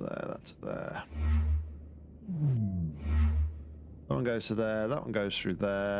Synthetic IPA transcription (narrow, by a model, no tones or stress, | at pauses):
ðə̰ða̰tsəðə̰ | ðəʔwʌ̰̃nɡəʊz̥tʰəðəðəʔwʌ̰̃nɡəʊz̥θɹʉːðə